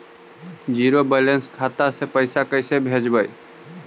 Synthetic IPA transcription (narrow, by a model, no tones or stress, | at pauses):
d͡ʒiːɾobɛlenskʰat̪asepəɪsakəɪsebʱed͡ʒbəj